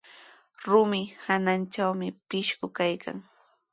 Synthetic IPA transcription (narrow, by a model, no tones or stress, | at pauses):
ɾʊmɪhanant͡ʃawmɪpɪʃɢʊkajkʰa̰ŋ